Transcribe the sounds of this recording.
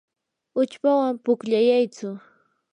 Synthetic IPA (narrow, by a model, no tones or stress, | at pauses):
ʊt͡ʃpawampʊkʎajajt͡sʊ